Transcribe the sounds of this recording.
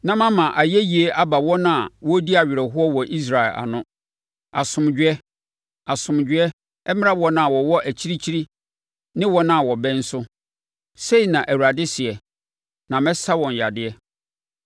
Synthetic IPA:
nã˦mã˦mã˨ʔa˨jɛ˦ji˨e˦ʔa˦ba˨wɔ˦nã˦˨wɔ˦di˦a˨ɥɪ˨ɾɛ˨ɦʊ˦ɔ˦wɔ˨ʔi˦s̬ɾa˨ɛ˨lʔa̰˨nʊ̃˦ | a˨sʊ̃˨md͡ʑᶣɪ˦ɛ˦ | a˨sʊ̃˨md͡ʑᶣɪ˦ɛ˦ | ɛ˦mɪ̃˦a˦bɔ˦nã˨wɔ˨wɔ˦ʔæ˨t͡ɕʰi˦ɾi˦t͡ɕʰi˦ɾi˦ | nɪ̃˦wɔ˦nã˦˨wɔ˨bɛ̃˦n̩˦sʊ˦ | se˦i˨nã˨ʔæ˨wu˨ɾa˨dɪ˦sɪ˨ɛ˨ | nã˨mɛ̃˦sa˦wɔ̃˨n˨ja˨dɪ˦ɛ˦

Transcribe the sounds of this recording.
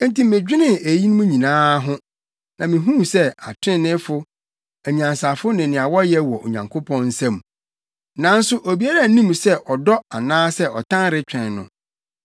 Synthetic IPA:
n̩˦ti˨mɪ̃˨d͡ʑᶣɪ˦nɪ̃˦e˨ji˦nʊ̃˦mũ˦ɲĩ˨nãː˦ɦʊ̃˦ | nã˨mĩ˨ɦũ˦˨sɛ˦a˨tʰɪ̃˦nɪ̃˦fʊ˦ | æ˨ɲ˨ã˨nsa˨fʊ˦nɪ̃˨nɪ̃˨a˨wɔ˦jɛ˦wɔ˨ʔo̰˨ɲã̰˨ŋkʰʊ˦pʰɔ̃˦nn̩˦sæ̃˦m˨ | nã˨˦n̩˦sʊ˦ʔo˨bi˨˦a˦ɾa˦˨˦nĩ˦msɛ˦ʔɔ˨dɔ˦a˨nãː˦sɛ˦ʔɔ˨tʰã˦nɾɪ˦t͡ɕᶣɛ̃˨nnʊ̰̃˨

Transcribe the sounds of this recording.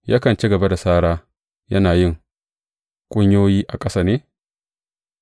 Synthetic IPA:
ja˦kɐ˨nt͡ʃi˦ɡɐ˨ba˦da˨saː˦ɽaː˦ | jɐ˦naː˨jɪ˦˨ŋ | kʷʼʊ˦ɲjoː˦jiː˦ʔa˨kʼɐ˦saː˦˨neː˦

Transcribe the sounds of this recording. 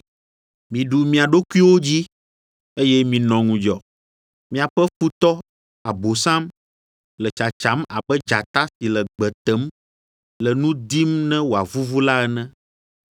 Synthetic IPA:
mĩ˨ɖu˨mĩ˨a˨ɖo˦ku˦i˦wo˦d͡ʑi˦ | e˦jɛ˦mĩ˨nɔ̃˨ŋũ˨d͡ʒɔ˨ | mĩ˨a˨ɸɛ˦fu˦t̪ɔ˦ | a˨bo˨sã˦m | lɛ˨t͡ʃa˨t͡ʃa˨˦ma̰˨bɛ˦d͡ʒa˨t̪a˦si˨lɛ˨ɡ͡bɛ˨t̪ɛ˨˦m | lɛ˨nũ˦d̪i˦mnɛ̃˦wo˨a˨vu˦vu˦la˦ɛ˨nɛ̃˦

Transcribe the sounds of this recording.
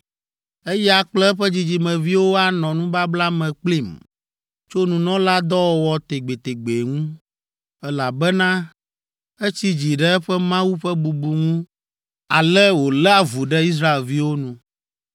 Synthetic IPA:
e˦ja˨k͡plɛ˦ɸɛ˦d͡ʑi˨d͡ʑi˨mɛ̃˨vi˦wo˦a˦nɔ̃˨nũ˦ba˦bla˦mɛ̃˨k͡pli˦˨m | t͡ʃo˦nũ˨nɔ̃˦la˦d̪ɔ˦wɔ˦wɔ˦t̪e˨ɡ͡be˨t̪e˨ɡ͡be˨ŋũ˦ | ɛ˦la˨bɛ˦nã˦ | e˦t͡ɕi˦d͡ʑi˨ɖɛ˦ɛ˦ɸɛ˦mã˦wu˦ɸɛ˦bu˨bu˨ŋũ˦ | a˨lɛ˦wo˨lɛ˦a˨vu˨ɖɛ˦i˦s̬ɾa˦e˨lvi˦wo˦nũ˨

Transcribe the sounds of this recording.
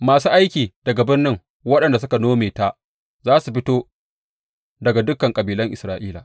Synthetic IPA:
maː˨suː˦ʔa˦jkʲiː˨d̥ɐ˨ɡa˨bɪ˦rnːɪ˦ŋ | wɐ˦ɗɐ˨nda˨s̬ʊ˦ka˨noː˦meː˨ta˦˨ʔ | zaː˦su˨ɸɪ˦toː˦ | dɐ˨ɡa˨dʊ˦kːɐ˨ŋkʼɐ˨biː˨lɐ˦ŋʔɪ˨sɾaː˨ʔiː˦la̰˨ʔ

